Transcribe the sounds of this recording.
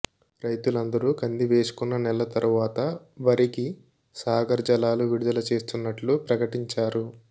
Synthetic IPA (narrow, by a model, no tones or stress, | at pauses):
ɾɐjt̪ulɐnd̪ɐɾukɐnd̪iʋe̞ːsu̥kunːɐnɛlːɐt̪ɐɾuʋaːt̪ɐ | ʋɐɾiki | saːɡɐɾd͡ʒɐlaːluʋiɽud̪ɐlɐt͡ʃe̞ːst̪unːɐʈlupɾɐkɐʈiɲt͡ʃaːɾu